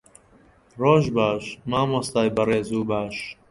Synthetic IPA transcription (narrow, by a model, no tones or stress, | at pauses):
roːʒbaːʃmaːmost̪aːjbɐreːzuːbaːʃ